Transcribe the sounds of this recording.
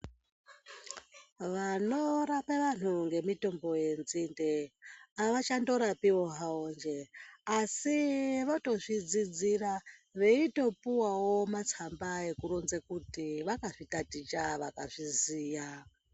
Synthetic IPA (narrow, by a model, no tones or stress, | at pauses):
ʋanoɾapeʋan̤uŋɡe̞mito̞mbo̞je̞nzindeaʋat͡ʃando̞ɾapiwo̞ɦaond͡ʒeasiʋoto̞ʐid͡zid͡ziraʋeito̞puwawo̞mat͡sʰambae̞kuɾonzekutiʋakaʐitatit͡ʃaʋakaʐiziːja